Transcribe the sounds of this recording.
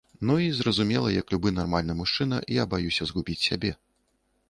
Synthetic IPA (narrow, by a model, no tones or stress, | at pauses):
nuizrɐzumʲɛlˠɐjɐklʲubɨnarmalʲnɨmuʂt͡ʂɨnɐ̰jabajusʲɐzɣubʲit͡sʲsʲabʲɛ